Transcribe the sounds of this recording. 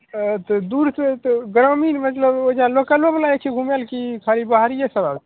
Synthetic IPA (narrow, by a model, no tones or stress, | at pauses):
t̪ɔd̪uɾset̪ɔɡɾəminmət̪ləboid͡ʒalokəleblaekʰeɡʱumelkikʰaɾibəɦaɾijesəbab